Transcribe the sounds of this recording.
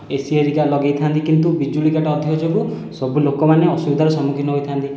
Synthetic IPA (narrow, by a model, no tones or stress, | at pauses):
esieɾikalɔɡejt̪ʰant̪ikint̪ubid͡ʒulikaʈɔɔd̪ʱiɔd͡ʒobu | sɔbulokɔmaneɔsubid̪ʱaɾɔsɔmukʰinɔɦojt̪ʰant̪i